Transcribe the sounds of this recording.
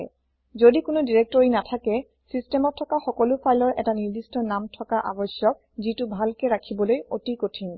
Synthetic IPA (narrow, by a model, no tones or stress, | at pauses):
zodikʊnʊdiɹek̚tɔɹinatʰakɛ | sistɛmɔtʰːɔkaxɔkɔlʊpʰajlɔɹʔɛ̰taniɹdistɔnamtʰɔkaʔabɔsjɔk̚ | zitʊbʱalkɛɹakʰibɔlojotikotʰin